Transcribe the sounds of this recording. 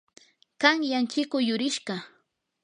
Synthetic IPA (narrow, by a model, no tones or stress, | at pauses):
kaŋjaŋkɪkʊjʊɾɪʃɢɑ